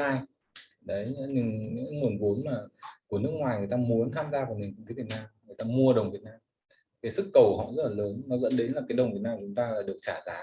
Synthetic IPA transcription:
aː˧j | ɗə˨˦jɲɨ˧ŋɲɨ̰˧˥˨ŋu˨˩ənvo˨˦nmaː˨˩ku˧˩ənɨ˦˥kŋwaː˨˩jŋɨ˨˩əjt̪aː˧mu˨˦ənt̪ʰaː˧mzaː˧vaː˨˩wmi˨˩ŋk̪ŋt̪e˨˦vi˨˩t̚naː˧mŋɨ˨˩əjt̪aː˧mu˧əɗə˨˩wŋ͡mvi˨˩ət̚naː˧m | kaː˨˦jsɨ˦˥kːə˨˩whɔ̰˧˨zə˦˥t̚laː˨˩ləː˨˦nnɔ˨˦zə̰˧˥nɗe˨˦nlaː˨˩kaː˨˦jɗə˨˩wŋ͡mvi˨˩ət̚naː˧mː˨t͡ɕʊ˨˦ŋ͡mt̪aː˧laː˨˩ɗɨ˨˩ək̚t͡ɕaː˧˩zaː˨˦

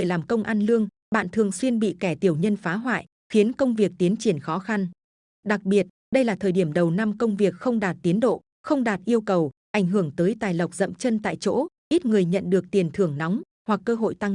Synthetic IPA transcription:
laː˨˩mkə˧wŋ͡mʔaː˧nlɨ˧əŋ | ɓa̰ː˧˨nt̪ʰɨ˨˩əŋswi˧ənɓḭ˧˨kɛ˧˩t̪i˨˩əwɲə˧nfaː˨˦ɦwa̰ː˧˨jʔ | xi˨˦ənkə˧wŋ͡mvi˨˩ək̚t̪i˨˦ənt͡ɕi˧˩ənxɔ˨˦xa˧n | ɗa˨˩k̚ɓi˨˩ət̚ | ɗə˧jlaː˨˩t̪ʰəː˨˩ɗi˧˩əmɗə˨˩wna˧mkə˧wŋ͡mvi˨˩ək̚xə˧wŋ͡mɗaː˨˩t̚t̪i˨˦ənɗo̰˧˨ | xə˧wŋ͡mɗaː˨˩t̚ʔi˧əwkə˨˩wʔa˧˩jŋ̟ɦɨ˧˩əŋt̪əː˨˦jt̪aː˨˩jlə˨˩wk͡p̚zə̰˧˨mt͡ɕə˧nt̪a̰ː˧˨jt͡ɕo̰˧˥ | ʔi˦˥t̚ŋɨ˨˩əjɲə̰˧˨nɗɨ˨˩ək̚t̪i˨˩ənt̪ʰɨ˧˩əŋnɔ˨˦wŋ͡m | hwa˨˩kːəː˧ɦo̰˧˨jt̪a˧ŋ

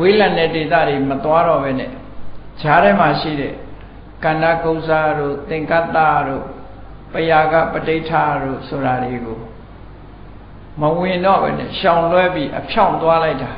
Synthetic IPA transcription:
we˦lã˨ndɛ˦˨de˨t̪ä̰˦˨de˨mət̪wa˦ɾɔ˦˨bɛ˦nɛ̰˦˨ | d͡ʑa˦ɾɛ˦ma˨ʃḭ˦˨ɾɛ̰˦˨ | kã˨nda˦˨kõ˦ʊʔza˦ɾo̰˦˨t̪ɪ̃˨ŋka˦t̪ːa̰˦˨ɾo̰˦˨ | pəja˨ɡa̰˦˨pətẽ˦tʰa˦ɾo̰˦˨so˨ɾa˨de˨ɡo˨ | məwɪ̃˨ndɔ̰˦˨bɛ̰˦nɛ̰˦˨ʃã˨ʊ̃lwɛ˦pji˦ʔəpʰjã˦˨ʊ̃t̪wa˦la˦ɪta˨

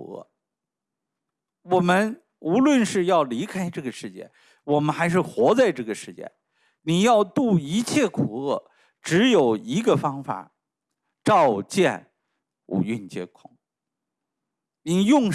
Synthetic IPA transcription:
ɤ̰˥˩ | wɔ˨˩mə˦n | u˧˥lwə˥˧nʂɻ̩˥˧jɑ˥˩ʊli˧˥kʰa˥ɪʈ͡ʂɤ˥˩ɡə˩ʂɻ̩˥˧t͡ɕjɛ̰˥˩ | wɔ˨˩mə˦nxa˧˥ɪʂ̬ɻ̩˥˩xwɔ˧˥t͡sa˥˧ɪʈ͡ʂɤ˥˩ɡə˩ʂɻ̩˥˧t͡ɕjɛ̰˥˩n | ni˨˩jɑ˥˧ʊt̪u˥˩i˧˥t͡ɕʰjɛ˥˩kʰu˨˩ɤ˥˩ | ʈ͡ʂɻ̩˧˥jo˨˩ʊi˧˥ɡə˧fɑ˥ŋfa̰˨˩˦ | ʈ͡ʂɑ˥˧ʊt͡ɕjɛ˥˩n | ṵ˨˩y˥˧nt͡ɕjɛ̰˥kʰʊ˥˩˦ŋ | ni˨˩jʊ˥˧ŋ

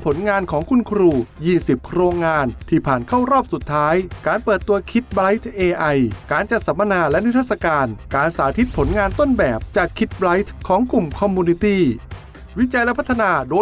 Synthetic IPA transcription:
pʰo˩˦nŋaː˧nkʰɔː˩˦ŋkʰu˧nkʰɾuː˧˩jiː˥˩si˨˩p̚kʰɾoː˧ŋːaː˧nt̪ʰiː˧˥˩pʰaː˨˩nkʰa˥˩wɾɔː˥˩p̚su˨˩t̪ʰːaː˦˥jkaː˧npɤː˨˩t̪ːu˧ɐkʰi˦˥t̪̚bla˦˥jt̪̚ʰʔeː˧ʔa˧jkaː˧nt͡ɕa˨˩t̪̚sa˩˦mːa˧naː˧lɛ˦˥ni˦˥t̪ʰa˥˩t̪̚sa˧kaː˧nkaː˧nsaː˩˦t̪ʰi˦˥t̪̚pʰo˩˦nŋaː˧nt̪o˥˩nbɛː˨˩p̚t͡ɕaː˨˩kʰːi˦˥t̪̚bla˦˥jt̪ʰkʰːɔː˩˦ŋku˨˩mkʰɔ˧mːuː˧ni˧t̪iː˥˩ | wi˦˥t͡ɕa˧jlɛ˦˥pʰt̪ʰːa˧naː˧doː˧

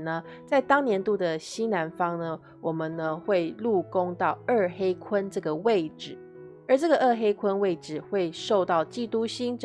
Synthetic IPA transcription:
nə˦ | t͡sa˥˩ɪt̪ɑ˥ŋnjɛ˧˦nt̪u˥˩d̪ə˩ɕi˥na˧˥nfɑ˥ŋnə˧ | wɔ˨˩mə˨nnə˦xwe˥˧ɪlu˥˨ko˦ŋt̪ɑ˥˨ʊə˥˩xe˥ɪkʰwə˦nʈ͡ʂɤ˥˩ɡə˩we˥˨˩ɪʈ͡ʂɻ̩˨˩˦ | ə˞˧˦ʈ͡ʂɤ˥˩ɡə˨ʔə˥˧xe˥ɪkʰwə˦nwe˥˩ɪʈ͡ʂɻ̩˨˩xwe˥˩ɪʂo˥˧ʊt̪ɑ˥˨ʊt͡ɕi˥˧t̪u˦ɕi˥nʈ͡ʂ

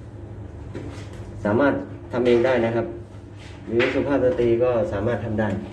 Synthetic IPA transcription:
saː˩˦maː˥˩t̪ʰːa˧mʔeː˧ŋdaː˥˩jna˦˥˧kʰa˦˥p̚ | ɾɯː˨˦˥su˧pʰaː˥˩sa˧t̪i˧˨kɔː˥˩saː˩˦maː˥˩t̪ʰa˧mdaː˥˩j

